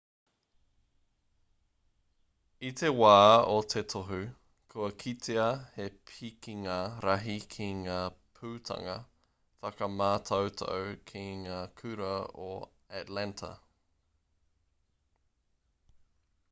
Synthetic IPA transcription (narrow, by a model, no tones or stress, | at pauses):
it̪ʰewaːot̪ʰet̪ʰoɦʉ | kʰuɐkʰit̪ʰeɐhepʰikiŋaːɾɐɦikʰiŋaːpʰʉːt̪ʰɐ̰ŋɐ̰ | fɐkɐmaːt̪ʰɐwt̪ʰo̰wkʰiŋaːkʰʉɾɐo | ætlæntʰɐ̰